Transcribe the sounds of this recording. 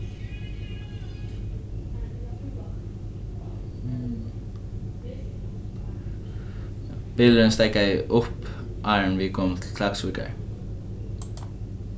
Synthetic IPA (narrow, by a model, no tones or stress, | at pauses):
b̥ɪld̪ənst̪æɪkəæɪʔɔp | ʔɑɪəɳʋiːkʰɔmt̪ʰl̩kʰlɑɡsʉːkə̰ɹ